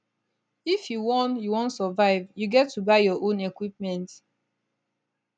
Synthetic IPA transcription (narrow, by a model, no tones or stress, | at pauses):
ifjuwɔ̃njuwɔ̃ntsɔvaɪvjuɡɛtːubaɪjɔʔõnekwip̚mɛ̃nt